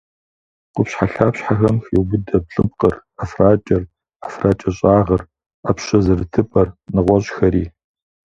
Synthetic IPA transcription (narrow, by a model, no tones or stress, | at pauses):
qʷʊpɕħaɬaːpɕħaxɐmxiwbʊdɐb̚ɬʼɨb̚qər | afraːt͡ʃʼɐr | afraːt͡ʃʼɐɕʼaːʁɐr | apɕɐzɨrɨtʰɨpʼɐrnɨʁʷɔɕʼxɐɾiː